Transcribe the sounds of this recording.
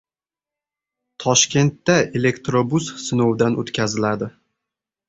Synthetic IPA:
t̪ʰɒʃkʲe̞nt̪ːaele̞kt̪ɾobussɪnowd̪anot̪kʲʰazɪlad̪ɪ

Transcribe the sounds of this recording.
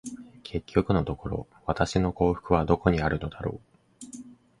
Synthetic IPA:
kʰe̞kʲːo̞kɯ̟no̞t̪o̞ko̞ɾo̞̰ | βat̪aɕino̞ko̞ːɸɯ̥kɯ̟βad̪o̞ko̞ɲ̟iaɾɯ̟no̞d̪aɾo̞̰ː

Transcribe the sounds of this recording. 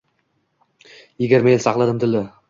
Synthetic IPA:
eɡʲeɾmelsɑqlˠɑd̪əmd̪ɪlɪ

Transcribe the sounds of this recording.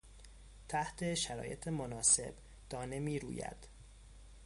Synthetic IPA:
t̪ʰæht̪ʰe̞ʃæɾɒ̰ːje̞t̪ʰemonɒːse̞̰b̥ | d̪̥ɒːne̞miːɾṵːjæ̰d̪̥

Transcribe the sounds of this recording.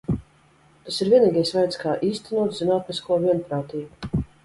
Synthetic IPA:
t̪asiɾvʲiɛniːɡajsvajt̪skaːʔiːst̪ɛnuɔt̪zzinaːt̪niskuɔvʲiɛnpɾaːt̪iːbu

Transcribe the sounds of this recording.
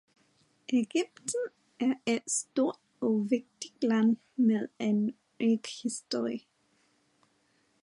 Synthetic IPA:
ʔeɡ̥yb̥̚d̥n̩ | ʔæɐed̥sd̥o̝ɐ̰d̥ɒʋe̝ɡ̥̚d̥iɡ̥læn | meðˠen | iɡ̥hisd̥oi

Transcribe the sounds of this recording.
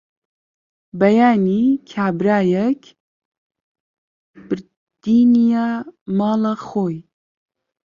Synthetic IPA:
bɐjaːnikʰaːbɾaːjɛk | b̥ɨɾ | d̪̥iːnijamɑːlaxoːj

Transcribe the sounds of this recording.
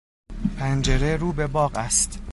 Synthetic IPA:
pʰænd͡ʒeɾeɾuːbe̞bɒːɢæst̪

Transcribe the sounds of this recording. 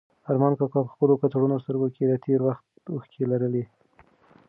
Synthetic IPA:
aɾmɑnkɑkɑpə̥xpəlokat̪aɽunost̪əɾɡokelat̪ʰeɾwaxt̪uxkʰelaɾəle

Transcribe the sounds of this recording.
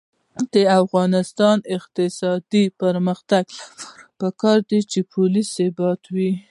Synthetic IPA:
d̪̥əafɣɑnɪst̪ɑnɪqt̪ɪsɑd̪ipəɾməxt̪aɡaɾpəkɑɾd̪it͡ʃepʰʊlisebɑt̪wi

